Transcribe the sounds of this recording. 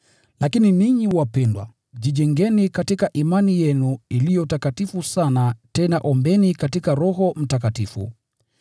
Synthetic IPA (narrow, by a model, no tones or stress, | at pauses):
lakininiɲiwapɛndwa̰ | ʄiʄɛŋɡɛnikatikaʔimanijɛnuilijɔtakatifusanatɛnaʔɔmbɛnikatikaɾɔɦɔm̩takatifṵ